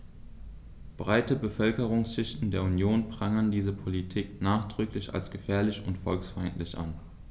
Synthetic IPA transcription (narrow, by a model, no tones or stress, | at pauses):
b̥ʁaɪtəbəfœlkəʁʊŋsʃɪçtn̩deːɐunjoːnpʁ̥aŋəndiːzəpʰolitʰiːknaːχd̥ʁ̥ʏklɪça̰lsɡ̥əfɛːɐlɪçʊntfɔlksfaɪntlɪçʔa̰n